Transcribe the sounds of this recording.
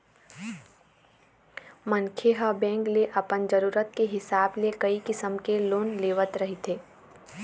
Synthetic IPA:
mənkʰeɦabɛ̃ːŋkleʔɐpənd͡ʒəɾuːɾət̪̚keɦɪsaːblekɐikɪsəmkeloːnleːʋət̪ɾɐɦit̪ʰeː

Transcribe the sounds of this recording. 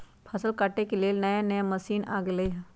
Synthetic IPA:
pʰɐsəlkaʈekeleːlnɐjanjamɐsiːna̰ːɡləiɦ

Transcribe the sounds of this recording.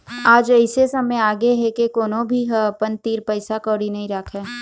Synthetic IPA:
aːd͡ʒəɪsesɐməjaːɡeɦɛkekoːnõbʱiɦəpənt̪iːɾpəɪsakəːɽinɐɦĩɾɐkʰɛː

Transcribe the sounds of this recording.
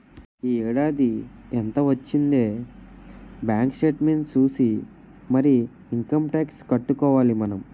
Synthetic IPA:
iːɛːɽaːd̪ient̪ɐʋɐt͡ʃːind̪eː | bjaːŋkʂeːʈmint͡ʃuːsi | mɐɾiː | ŋkɐmʈaːkskɐʈːukɔːʋaːlimɐnɐm

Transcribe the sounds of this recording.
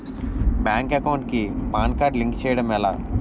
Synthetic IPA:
bjaːŋkɐkɐwɳʈkipaːnkaːɾɖliŋkt͡ʃɛːjɐɽɐmɛlaː

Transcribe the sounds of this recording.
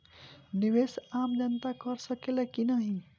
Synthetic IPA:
niʋesamd͡ʒənt̪akəɾsəkelekinəɦĩ

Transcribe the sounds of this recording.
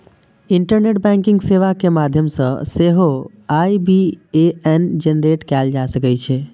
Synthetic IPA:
iɳʈəɾneʈ̚bɛ̃ŋkɪ̃ŋɡseʋakemad̪ʱjəmsə̃seɦo | aibʱieɛnd͡ʒenɾeʈkɛld͡ʒasəkət͡ʃʰe

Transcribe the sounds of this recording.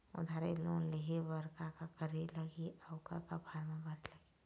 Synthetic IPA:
ʊ̰d̪ʱaɾelõ̰leɦebəɾkakakəɾeləɡiaʊkakabʱaːɾmãbəɾiləɡi

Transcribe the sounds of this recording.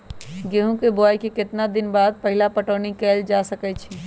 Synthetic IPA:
ɡeɦũkebajkekɪt̪nad̪ɪnbaːd̪̚pəɦɪlapəʈəːnikɛld͡ʒasəkɛt͡ʃʰi

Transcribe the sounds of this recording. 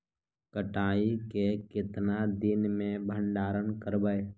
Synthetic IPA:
kəʈaːikekɪt̪nad̪ɪnmẽbʱə̃ɳɖaːɾənkəɾbəe

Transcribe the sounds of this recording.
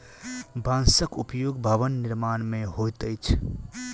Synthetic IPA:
bãnsəkupjoɡbʱəʋənːiɾmanmeɦot̪əjt͡ʃʰ

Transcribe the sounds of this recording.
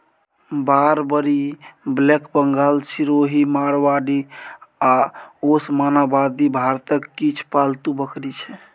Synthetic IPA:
baɾbəɾiblekbəŋɡalsiɾoɦimaɽʋaɖiaosmanabad̪ibʱaɾt̪əkːit͡ʃʰpalt̪ubəkʰɾit͡ʃʰɛ

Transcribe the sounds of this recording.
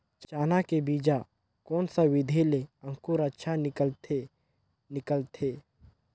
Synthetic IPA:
t͡ʃt͡ʃaːnakebiːd͡ʒa | kɔːnsawɪd̪ʱeleə̃ŋkuɾətːʃʰanɪt̪e | nɪkəlt̪ʰeː

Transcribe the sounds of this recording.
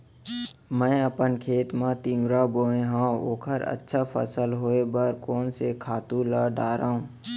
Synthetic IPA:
mɛ̃ːəpənkʰeːt̪mãt̪ĩŋɡɾaboːẽɦão̰ːkʰəɾə̰tːʃʰapʰə̰səlɦoːebəɾkoːnsekʰaːt̪ũlaɖaːɾaːɦũː

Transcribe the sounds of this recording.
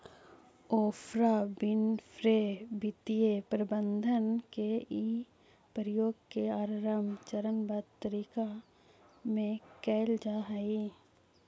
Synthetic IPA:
oːpʰɾabɪnpʰɾebɪt̪ijepɾəbə̃nd̪ʱənkei | pɾjoːɡkeaːɾɾəmt͡ʃəɾənbəd̪t̪əɾiːka | mẽkɛːld͡ʒaːɦəiː

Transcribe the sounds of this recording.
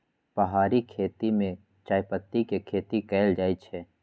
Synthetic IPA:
pɐɦaːɾikʰeːt̪imẽ | t͡ʃaːjpət̪ːikekʰeːt̪ikɛːld͡ʒaːit͡ʃʰɛː

